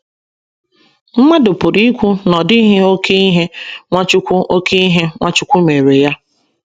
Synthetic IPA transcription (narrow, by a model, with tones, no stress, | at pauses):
m̩˦ma˦dʊ˨pʊ˨ɾi˦kʷu˦nɔ˨dɪ˦i˦ɦɪ˦o˦kʰe˦i˦ɦe˦ŋʷa˦t͡ʃʊ˦kʷu˦ʔo˦kʰe˦i˦ɦe˦ŋʷa˦t͡ʃʊ˦kʷu˦me˨ɾe˨ja˦